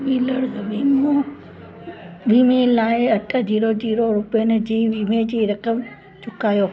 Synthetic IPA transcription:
ɓiːləɽbiːmo | ɓiːmelaːɪɐʈʰə̆d͡ʑiːɾod͡ʑiːɾoɾʊpijənɪ̆d͡ʑiːʋiːmed͡ʑiːɾɐkəm | t͡ɕʊkaːjoː

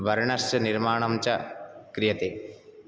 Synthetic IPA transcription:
ʋɐɾɳɐst͡ʃɐniɾmaːɳɐmt͡ɕɐkɾijɐt̪e

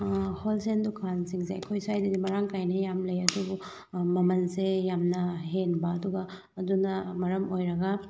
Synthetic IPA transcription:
holsendukʰansiŋseɐ̰kʰojsajdɐdimɐɾaŋkajnɐjamlɐjɐdubu | mɐmɐnsejamnɐɦenbɐːduɡɐː | dunɐmɐɾɐmojɾɐɡɐ

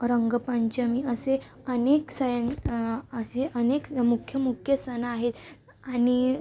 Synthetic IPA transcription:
ɾəŋɡəpaɲt͡ɕəmiəse | əneksəjənəseʔənekmukʰjəmukʰjəsənaaɦet̪ | añi

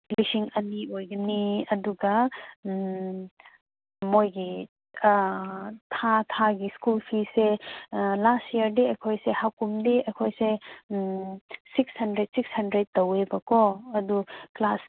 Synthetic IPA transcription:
lisiŋɐniojɡɐniɐduɡɐ | mojɡi | tʰatʰaɡiskulpʰise | lastiɐɾdiɐjkʰojsehakumdiɐjkʰojse | sikshɐndɾed̚sikshɐndɾed̚tːowebɐkoɐduklas

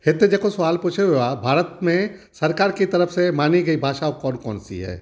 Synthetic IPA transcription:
hɪd̪ːed͡ʒekosɐʋaːlpuːt͡ʃʰeeabʱaːɾət̪mẽ | sɐɾkaːɾkit̪ɐɾəfsemaːniɡɐibʱaːʃaɔːkɔːnkɔ̰ːnsḭɦɛ̰ː

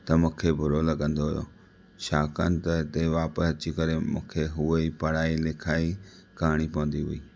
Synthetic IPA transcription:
t̪ɐmũːkʰebʱʊɾolɐɡə̃nd̪oɦʊ̰jo̰ | ʃaːkənɪ̆t̪ɐɦɪt̪eʋaːpəsɐt͡ɕikɐɾemũːkʰeɦʊeipɐɽaːilɪkʰaːikaːɽ̃ipɐʋə̃nd̪iɦʊ̰iː

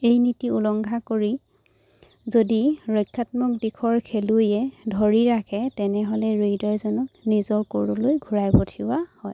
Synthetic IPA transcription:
ejnitiulɔŋɡʱakoɹi | zodiɹɔjkʰːatmɔk̚dikʰɔɹkʰelujɛdʱoɹiɹakʰɛtɛnɛɦɔlɛɹedaɹzɔnɔknizɔɹkoɹulojɡʱuɹajbɔtʰiwahɔj

